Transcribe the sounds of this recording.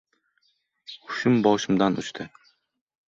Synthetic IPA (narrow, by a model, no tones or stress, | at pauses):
ʊ̥ʃʊmbɒʃɪmd̪anʔʊ̰t͡ʃt̪ʰɪ